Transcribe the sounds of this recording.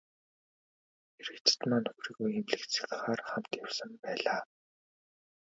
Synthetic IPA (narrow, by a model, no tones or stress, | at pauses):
xeɾɘ̆kt͡se̥t̪maːnɵxriːɣujemɮɘ̆kt͡sʰĭ̥ɮɘ̆χaːrχam̥t̪jawsə̆mpæːɮaː